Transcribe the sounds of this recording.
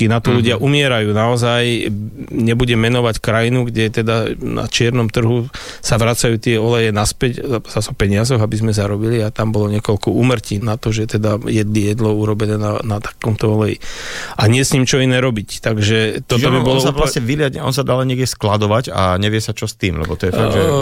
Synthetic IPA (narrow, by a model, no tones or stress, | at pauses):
inat̪ɔluɟɪaʔumɪɛɾajuːnaɔzaj | ɲɛbuɟɛmɛnɔʋackɾajinuɡɟɛt̪ɛd̪ana̰t͡ʃɪɛɾnɔmt̪r̩ɦu | saʋɾat͡sajuːt̪ɪɛɔlɛjɛnaspɛcz̥asɔpɛɲɪazɔɣabizmɛzaɾɔbiliat̪ambɔlɔɲɛkɔlkɔuːmr̩ciːnat̪ɔʒɛt̪ɛd̪ajɛd̪lijɛd̪lɔuɾɔbɛnɛːnanat̪ḁkɔmt̪ɔɔlɛjḭʔaɲɪɛsɲimt͡ʃɔinɛɾɔbict̪aɡʒɛt̪ɔɔbibɔlɔsalasɲɛʋilɪaɲɛɔ̰nsad̪alɛɲɪɛɡɟɛsklad̪ɔʋaca̰ɲɛʋɪɛsat͡ʃɔst̪iːmlɛ̰bɔt̪ɔjɛfaʒɛ